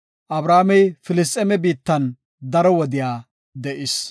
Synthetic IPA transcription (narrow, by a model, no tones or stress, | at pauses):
ʔɐbɾaːmɛjfɪlɪs̬t̪ʼɛmɛbiːt̪ːɐn | d̪ɐɾɔwɔd̪ɪjaː | d̪ɛʔɪs